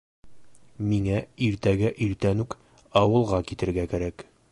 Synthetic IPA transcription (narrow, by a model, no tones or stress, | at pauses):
miŋæiɾt̪æɡæʔiɾt̪ænʉk | ɒwɤ̆lˠʁɑkit̪ɘ̆ɾɡækæɾæk